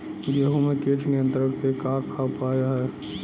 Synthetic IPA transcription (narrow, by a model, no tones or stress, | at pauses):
ɡeːɦõmẽkeːt͡ʃnijə̃nt̪əɾəkpekãːkʰaʊpaːjaɦɛː